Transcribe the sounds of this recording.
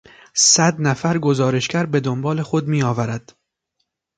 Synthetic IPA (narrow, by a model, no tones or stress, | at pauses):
sæd̪næfæɾɡo̞zɒːɾe̞ʃcæɾbe̞d̪ombɒːle̞xo̞d̪miːɒːvæɾæd̪̥